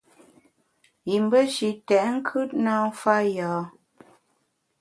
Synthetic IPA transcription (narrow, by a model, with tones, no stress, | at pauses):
ji˨m˦bə˦ʃi˨tɛ˨ʔŋ̩˦kʰʉ˦t̚na˦fa˦jɔː˨˦